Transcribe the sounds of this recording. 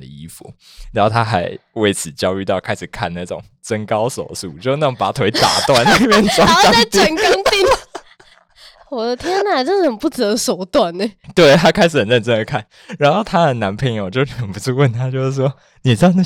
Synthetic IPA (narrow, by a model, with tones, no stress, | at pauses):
d̪ə̰˩i˧˥fṵ˨˩ | ɻa˨˧nxo˥˩ʊt̪ʰa˥xa˧˥ɪwe˥˩ɪt͡sʰɹ̩˨˩t͡ɕjɑ˥ʊy˥˧t̪ɑ˥˩ʊkʰa˥ɪʂɻ̩˨˩kʰa˥˧˩nna˥˩ʈ͡ʂʊ̰˨˩˦ŋ | t͡sə˥ŋkɑ˥ʊso˨˩ʊsṵ˨˩t͡ɕjo˥˧ʊ˥na˥˩˨pa˨˥t̪ʰwe˧˥ɪt̪a̰˨˩˦t̪wa˥˧nne˥˧ɪmjɛ˥˧˨nt͡swa˥ɕjɑ˥ŋ˥t̪iə˨˩nkɑ˥ŋt̪i˥˩ŋ | wɔ˨˩d̪ə˧t̪ʰjɛ˥nna˨˩ɪʈ͡ʂə˥˧ʂ̩˥˩xə˨˩npu˥˩t͡s̩ə˨˩d̪ə˧ʂo˨˩ʊt̪wa˥˩nːe˨˩t̪we˥˩ɪt̪ʰa˥kʰa˥ɪʂ̩˨˩xə˨˩nɻə˥˩nʈ͡ʂə˥nd̪ə˧kʰa˥˩n | ɻa˧˥nxo˥˩ʊt̪ʰa˥xə˨˩na˧˥npʰə˧˥ŋjo˨˩ʊt͡ɕjo˥˧ʊ˥˩xə˨˩npu˧˦t͡su˥˧wə˥˨nt̪ʰa˥t͡ɕjo˥˧ʊʂ̩˥˩ʂwɔ˥ | ni˨˩˨ɑ˥˧˩n˥˩